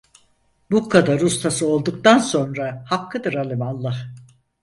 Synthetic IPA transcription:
bukʰːad̪aɾust̪ʰasɯo̞lˠd̪uk̚t̪anso̞nɾahakʰːɯd̪ɯɾalʲˠɯmalˠːah

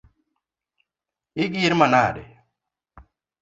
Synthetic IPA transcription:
ik̬jiɾmanaːɗḛ

